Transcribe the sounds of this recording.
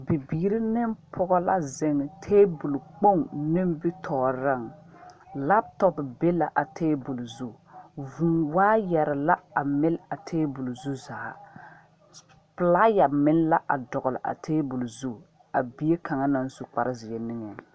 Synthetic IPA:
bi˨biː˨ɾi˦nɪ˦mpʰʊ˦ɡɔ˦la̰˦zɪ˨ŋ˨tʰeː˦bu˨lk͡po˦ŋnɪ˦mbi˦tʰɔː˨ɾa˦˨ŋ | la˦b̚tɔ˦bbe˦la˨ʔa˨tʰeː˦bu˨lzu˦ | vu˨nwaː˦jɛ˨ɾɪ˨la˦a˨mɪ˦la˨tʰeː˦bu˨lzu˦zaː˨ | pɨ˨la˦ja˨mɪ˦n˦la˦ʔa˨dɔ˨ɣʊ˨lɪ̰˨ʔa̰˨tʰeː˦bu˨lzu˦˨ | a˨bi˦e˦kʰa˨ŋa˦na˨n˦zu˨k͡pa˨ɾʔɪ˦zɪ˨ɛ˨nɪ˦ŋɛ˨

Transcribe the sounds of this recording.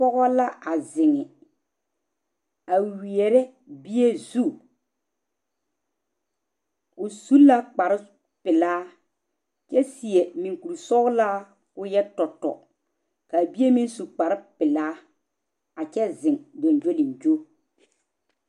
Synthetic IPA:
pɔ˦ɣɔ˦la˦a˨zɪ˨ŋɪ˨ | a˨wi˨ɛ˨ɾɛ˦ | bi˦je˦zu˦˨ | ʊ˨su˦la˦k͡pa˨ɾɪ˦ | pɪ˨laː˦ | t͡ʃɛ˦si˨e˨mi˨ŋku˨ɾsɔ˦ɣla˦ | ʊ˦jɛ˦tɔ˨tɔ̰˨ | ka˨bi˦e˦mi˦nsu˨k͡pa˨ɾɪ˦pɪ˨laː˦ | a˨t͡ʃɛ˦zɪ˨ŋdo˨nd͡ʒo˦li˨nd͡ʒo˦

